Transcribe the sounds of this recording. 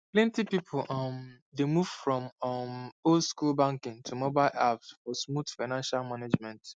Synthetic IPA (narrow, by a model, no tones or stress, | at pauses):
plɛ̃ntipipʰʊlʔɔm | demuv̥fɹɔ̃mmolskulbãŋkɪ̃ŋtʰumobaɪlʔapsfɔsmutfaɪnãnʃalmaned͡ʒmɛ̃nt